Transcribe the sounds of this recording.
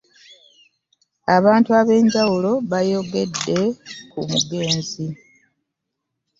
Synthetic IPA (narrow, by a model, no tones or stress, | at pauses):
aβaːntuaβe̞ːɲɟawulo̞βajo̞ɡe̞dːe̞kumṵɡe̞ːnzi